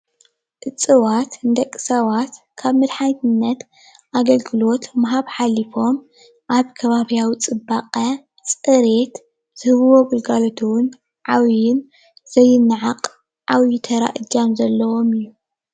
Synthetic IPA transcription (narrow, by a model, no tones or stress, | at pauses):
ʔɨt͡sʼɨwat̪ɨnd̪ɐkʼːɨsawat̪ | kʰaβmɨd̪ħajt̪ɨnːɐt̪ | ʔaɡɐlɡɨlo̞t̪maɦaβħalifo̞m | ʔaβkʰɐβaβijawit͡sʼɨbaqʼɐ | sʼɨɾet̪ | z̥ɨhɨβɨwo̞bɨlɡalot̪ʰuwʊn | ʕawjɪn | z̥ɐjːɪnːɨʕaqʼ | ʕawjit̪ʰɐɾa̰ʔɨd͡ʒamzɐlːɐwo̞mɨjːu